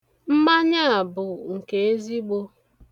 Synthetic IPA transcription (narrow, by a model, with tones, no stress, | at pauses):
m̩˦ma˦ɲa˦a˨bʊ˨ŋ̩˨ke˨e˦zi˦ɡ͡bo˦